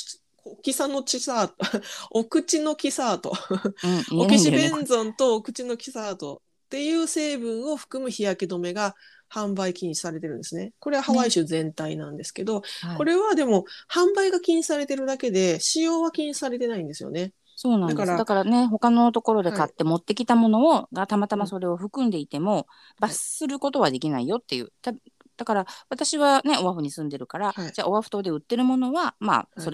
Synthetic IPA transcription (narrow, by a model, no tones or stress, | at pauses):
okʲisano̞t͡ɕisaːt̪okɯ̟t͡ɕino̞kʲisaːt̪o̞̰ | okʲiɕibẽ̞nd͡zõ̞nt̪o̞ːkɯ̟t͡ɕino̞kʲi̥saːt̪o̞̰ | t̪ːe̞jɯ̟ːse̞ːbɯ̟̃ɰ̃o̞ɸɯ̟̥kɯ̟mɯ̟çijakʲid̪o̞me̞ɡa | hãmbaikʲĩɲɕi̥saɾe̞t̪e̞ɾɯ̟̃nesɨne̞ko̞ɾe̞βaɦaβaiɕɨzẽ̞nt̪ainãnd̪e̞sɨ̥ke̞d̪o̞ko̞ɾe̞βad̪e̞mo̞hãmbaiɡakʲĩɲii̥saɾe̞t̪e̞ɾɯ̟d̪ake̞d̪e̞ɕijo̞ːβakʲiɲ̟isaɾe̞t̪e̞naĩnd̪e̞sɨjo̞̰ne̞ | so̞ːnãnd̪akasɾd̪akaɾane̞ɦo̞kano̞t̪o̞ko̞ɾo̞d̪e̞kat̪ːe̞mo̞t̪ːe̞kʲit̪amo̞no̞ːɡat̪amat̪amaso̞ɾe̞o̞ɸɯ̟kɯ̃nd̪e̞it̪e̞mo̞ | b̥asɨ̥sɨɾɯ̟ko̞t̪o̞βad̪e̞kʲinaijo̞t̪ːe̞jɯ̟̰ːt̪a | d̪̥akaɾaβat̪aɕiβane̞o̞βaɸɯ̟ɲ̟isɨ̃nd̪e̞ɾɯ̟kaɾad͡ʑaːo̞βaɸ̟t̪o̞ːd̪e̞ɯ̟t̪ːe̞ɾɯ̟mo̞no̞βama̰so̞ɾ